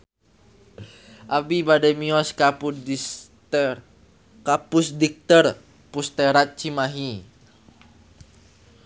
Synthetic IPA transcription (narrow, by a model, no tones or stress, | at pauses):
ʔabibadɛmiɔskapu | kapusdik̚t̪ər | pust̪ɛɾat̪̚t͡ʃimaɦi